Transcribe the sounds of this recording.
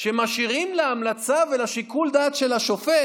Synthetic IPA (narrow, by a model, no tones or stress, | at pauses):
ʃemaʃiʁimleamlat͡savelaʃikuld̪aːt̪ʃe̞laʃofe